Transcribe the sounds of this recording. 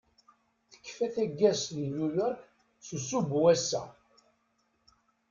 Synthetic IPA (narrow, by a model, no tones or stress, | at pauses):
θə̥kːfæθæɡːæsnjujɔɾk | susubwæsːæ̰